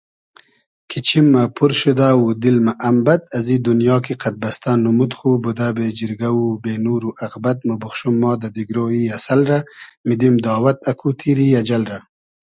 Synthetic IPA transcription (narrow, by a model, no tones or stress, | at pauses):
kʰit͡ʃʰimːapʰuɾʃud̪aːwud̪ilmaʔːmbɐt̪̚azid̪unjɑːkiqʰat̪̚bɐst̪anːumut̪χubud̪abeːd͡ʒɪɾɡawubenuːɾuʔɐɣbɐt̪̚mabuχʃumːɑːd̪ad̪iɡɾoːiasalɾamid̪imd̪ɑːwat̪akʰut̪ʰiɾiad͡ʒalɾa